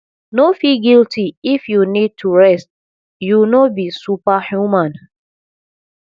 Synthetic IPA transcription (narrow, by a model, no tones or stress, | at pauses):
nofiɡiltiifjunid̚tʰuɹɛst̚ | junobisupahjumãn